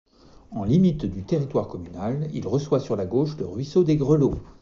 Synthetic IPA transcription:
ɑ̃limit̪d̪yt̪eʁit̪waʁkɔmynalḭlʁəswasyʁlaɡoʃləʁɥisod̪eɡʁəlo

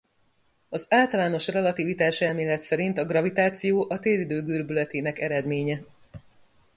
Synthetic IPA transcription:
ɒzaːlt̪ɒlaːno̞ʃrɛlɒt̪ivit̪aːʃɛlmeːlːɛt̪sɛɾint̪ɒɡrɒvit̪aːt̪sijoːʔɒt̪eːlid̪øːɡyrbylɛt̪eːnɛkɛɾɛd̪meːɲɛ

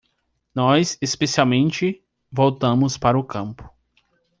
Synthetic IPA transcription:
nɔsespesiawmẽnt͡ʃɪ | vowt̪ɐ̃mʊspaɾɐʊkɐ̃mpʊ̥

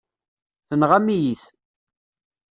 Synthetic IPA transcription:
θənʁamijiθ

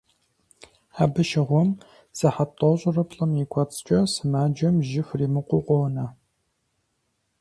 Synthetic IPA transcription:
aːbɨʃɪʁʷɔm | sɐħatʼɔɕʼʊrɐpʰɬʼɐmjikʷʰɔt͡sʼt͡ʃʼɐsɨmaːd͡ʒɐmʒɪfriːmɨqʷʊqʷʼoːnɐ

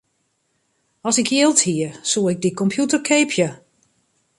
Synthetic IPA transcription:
ɔsɪkjɪəlˠthiərsuəɪɡ̚dikɔmpʰjutərkʰeːpʰjə

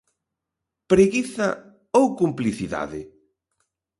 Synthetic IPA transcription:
pɾeɣiθɐ | owkumpliθiða̰ðɪ

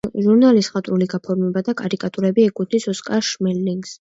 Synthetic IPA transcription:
ʒuɾnalisχat̪ʼɾuliɡapʰɔɾmɛbad̪akʼaɾikʼat̪ʼuɾɛbiɛkʼut̪nisɔskʼaʃmɛlːiŋɡs

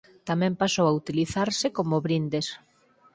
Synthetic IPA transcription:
t̪amɛ̃mpasowaut̪iliθaɾsɪkomoβɾind̪es

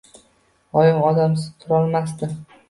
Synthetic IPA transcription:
ɒjɪmɒd̪amsɪ̥t̪ʰʊɾɒlmast̪ɪ

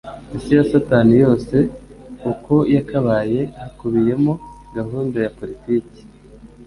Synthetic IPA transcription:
isijasataːnijo̞ːse̞uko̞jakaβaːje̞hakuβije̞mo | ɡaɦuːndajapo̞ɾitiːci̥

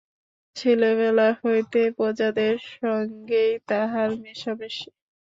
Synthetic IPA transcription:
t͡ɕʰeleβɛlahojt̪epɔd͡ʑad̪eɾʃɔŋɡejt̪aɦaɾmeʃabeʃi

